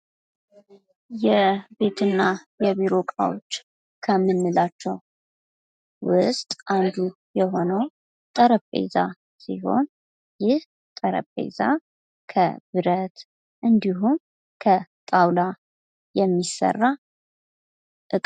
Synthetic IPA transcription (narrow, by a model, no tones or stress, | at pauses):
jɛbe̞t̪ʰɨnːajɛβiɾo̞kʼa̰wot͡ʃː | kʰəmːɨnːɨlat͡ʃːɛw | wʊst̪ʼʔand̪u | jɛɦo̞nəw | t̪ʼəɾəpʼḛza | siho̞̰n | jɪh | t̪ʼəɾə̰pʼḛza̰ | kʰə̰bɨɾət̪ | ʔɨnd̪iɦum | kʰət̪ʼawla | jɛmːisə̰rːa | ʔɨkʼ